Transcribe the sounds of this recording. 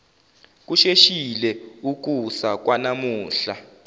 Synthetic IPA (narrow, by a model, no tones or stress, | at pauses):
k̬uʃeʃilɛuk̬usak̬wanamuːɬa